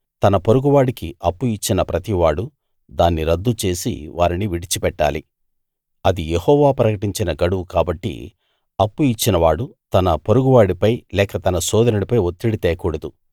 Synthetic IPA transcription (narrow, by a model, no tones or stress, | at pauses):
t̪ɐnɐpoɾuɡuʋaːɽikiɐpːuit͡ʃːinɐpɾɐt̪iʋaːɽu | d̪aːnːiɾɐd̪ːut͡ʃe̞ːsḭʋaːɾiniʋiɽit͡ʃipɛʈːa̰ːlḭ | ɐd̪ijehɔːʋaːpɾɐkɐʈiɲt͡ʃinɐɡɐɽuwukaːbɐʈːḭ | ɐpːuit͡ʃːinɐʋaːɽut̪ɐnɐpoɾuɡuʋaːɽipɐjlɛːkɐt̪ɐnɐsɔːd̪ɐnuɽipɐjot̪ːiɽit̪ɛːkuːɽɐd̪u